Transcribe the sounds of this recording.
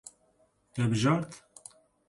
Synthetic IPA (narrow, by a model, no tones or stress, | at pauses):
t̪ɛbɨʒɑːɾt̪